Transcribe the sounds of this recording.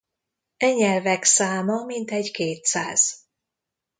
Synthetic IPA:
ɛɲːɛlvɛksaːmɒmint̪ɛɟkeːt̪saːz̥

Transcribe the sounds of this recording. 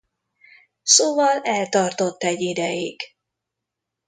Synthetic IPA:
soːvɒlɛlt̪ɒrt̪o̞t̪ːɛɟːid̪ɛjiɡ

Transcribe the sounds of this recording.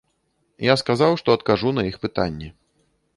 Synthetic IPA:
jaskazawʂt̪ɔɐt̪kaʐunɐixpɨt̪a̰nʲːɛ

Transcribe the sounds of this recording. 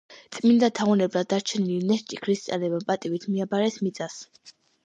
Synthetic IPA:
t̪sʼmind̪at̪ʰaɔnɛblad̪ːaɾt͡ʃʰɛnilinɛst͡ʃʼikʰɾist̪sʼa̰nɛbapʼat̪ʼivit̪ʰmiabaɾɛsmit̪sʼas

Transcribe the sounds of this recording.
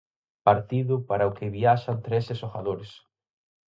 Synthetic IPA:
paɾt̪iðʊpaɾɐʊkɪβiaʃant̪ɾesesoxaðoɾes

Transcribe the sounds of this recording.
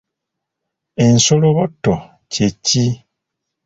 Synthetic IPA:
en̩soloβɔtɔ | t͡ʃet͡ʃi

